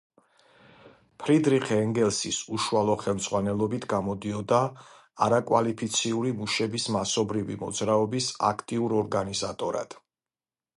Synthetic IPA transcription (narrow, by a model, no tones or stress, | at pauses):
pʰɾid̪ɾiχʰɛɛŋɡɛlˠsisuʃualˠɔχɛlˠmd̪z̥ʁwanɛlˠɔbit̪ʰɡamɔd̪iɔd̪aː | a̰ɾakʼwalipʰit̪sʰiuɾimuʃɛbismasɔbɾivimɔ̰d̪zɾaɔbisa̰kʰt̪ʼiuɾɔɾɡanizat̪ʼɔɾa̰d̪̥